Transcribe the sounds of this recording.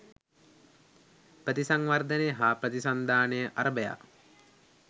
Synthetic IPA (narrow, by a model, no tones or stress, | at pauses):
pɾət̪isaŋʋard̪ənejəɦaːpɾət̪isand̪aːnejəʔaɾəbəja̰